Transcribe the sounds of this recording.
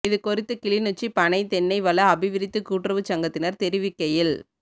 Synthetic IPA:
ɪðɯkɔɾɪt̪ːɯkɪlɪnɯt͡ʃːipɐnɐɪt̪ɛnːɐɪʋɐlɐɐbɪʋɪɾɪt̪ːɯkuːʈrɐʋɯt͡ʃɐŋɡɐt̪ːɪnɐɾt̪ɛɾɪʋɪkːɐjɪl

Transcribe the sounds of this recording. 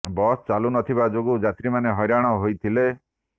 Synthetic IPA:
bɔst͡ʃalunɔt̪ʰibad͡ʒoɡud͡ʒat̪ɾimaneɦɔjɾaɽ̃ɔɦojt̪ʰile

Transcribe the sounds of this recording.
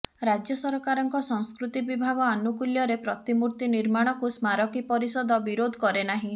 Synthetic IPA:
ɾad͡ʒjɔsɔɾɔkaɾɔŋkɔsɔŋskɾut̪ibibʱaɡɔanukuljɔɾepɾɔt̪imuɾt̪iniɾmaɽ̃ɔkusmaɾɔkipɔɾisɔd̪ʱɔbiɾod̪ʱkɔɾenaɦĩ

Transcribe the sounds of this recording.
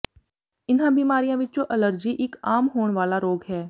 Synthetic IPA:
ɪnɦãbiːmaːɾijãʋɪt͡ʃõʔələɾd͡ʒiʔɪkaːmɦoːɳ̃ʋaːlaɾoːɡɦɛː

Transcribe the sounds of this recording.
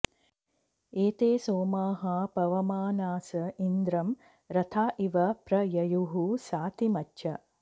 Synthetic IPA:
eːt̪eːsoːmaːɦɐpɐʋɐmaːnaːsɐind̪ɾɐm | ɾɐt̪ʰaːʔiʋɐpɾɐjɐjuɦusaːt̪imɐtːʃʰɐ

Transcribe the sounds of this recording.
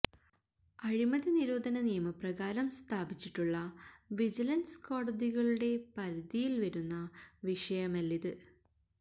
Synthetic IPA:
ɐɻimɐðiniɾo̞ːd̪ʱɐnɐnijɐmɐprɐɣaːɾɐmst̪ʰaːbit͡ɕːiʈːuɭːɐʋid͡ʑilɐnsko̞ːɽɐðiɣɐɭuɽe̞pɐɾɐd̪ijilʋɐɾunːɐʋiʂɐjɐmɐlːiðɨ

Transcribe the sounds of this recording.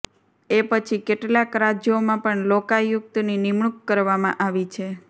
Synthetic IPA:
epət͡ʃʰikeʈlakɾad͡ʒjomãpəɳlokajʊk̚t̪ninimɳukːəɾʋamã̰ʔaʋit͡ʃʰe

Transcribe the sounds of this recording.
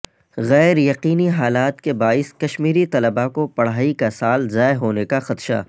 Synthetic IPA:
ɣɛːɾjɐqiːniɦaːlaːt̪kebaːɪskɐʃmiːɾit̪ɐləbakopɐɽ̤aːikasaːlzaːeɦoːnekaxɐt̪ʃa̰ː

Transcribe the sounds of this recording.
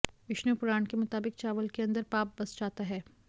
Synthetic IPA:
ʋɪʃnəpʊɾaːnkemʊt̪aːbɪk̚t͡ʃaːʋəlkeɐ̃nd̪əɾpaːp̚bɐst͡ʃaːt̪aɦɛː

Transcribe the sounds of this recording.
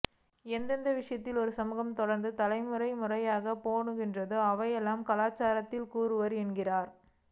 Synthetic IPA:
ɛnd̪ɐnd̪ɐʋɪʂɐjɐt̪ːɪlɔɾɯsɐmɯɣɐmt̪ɔɽɐɾnd̪ɯt̪ɐlɐɪmɯrɐɪmɯrɐjaːɣɐpoːɳɯɣɪndrɐðɯɐʋɐjɛlːaːmkɐlaːt͡ʃːaːɾɐt̪ːɪlkuːɾɯʋɐɾɛɳɡɪraːɾ

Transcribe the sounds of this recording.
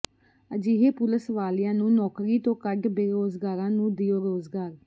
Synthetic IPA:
əd͡ʒiːɦeːpʊləsʋaːlɪjãːnũːnɔːkɾiːt̪õːkəɖbeːɾoːzɡaːɾãːnũːd̪ɪjoːɾoːzɡaːɾ

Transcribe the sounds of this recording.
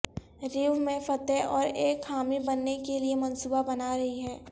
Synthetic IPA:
ɾiːʋmẽfɐt̪eʔɔːɾeːkhaːmibɐnːekeliemɐnsuːbabɐnaːɾɐɦiɦɛː

